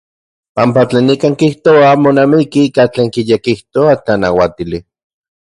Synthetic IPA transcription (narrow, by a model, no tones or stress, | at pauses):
pampat͡ɬeːnikaːŋkiht̪oamonamikiikat͡ɬeːŋkijekiht̪oat͡ɬanawat̪ili